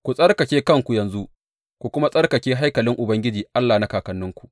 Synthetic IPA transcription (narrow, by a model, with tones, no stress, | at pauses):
kʷu˨sʼɐ˦rkɐ˨kʲeː˦kɐ˦ŋkʷu˨jɐ˨nzu˦ʔ | kʷu˨kʷʊ˦ma˦sʼɐ˦rkɐ˨kʲeː˦ɦa˦jkɐ˨lɪ˦ŋʔʊ˨bɐ˦ŋɡʲɪ˦d͡ʒiː˨ʔa˦lːaː˨na˦kaː˨kɐ˨nːʊ˦ŋkʷu̥˨ʔ